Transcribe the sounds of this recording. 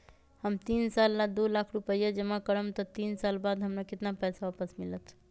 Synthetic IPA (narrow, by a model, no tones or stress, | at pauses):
həmt̪insalːad̪ulakʰɾupəjad͡ʒəmakəɾəmt̪ɔt̪insalbad̪ɦəmnakit̪napɛsaapəsmilət̪